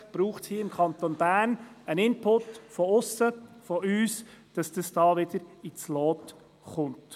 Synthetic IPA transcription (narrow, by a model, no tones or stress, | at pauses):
b̥ɾuːχthiːɪmkʰɑnt̪onb̥æːɾn | ənɪnpʰʊtfɔʊsəfɔyːs | d̥ɑsd̥ɑsd̥ɑːʋɪd̥əɾɪt͡sloːt | χʊnt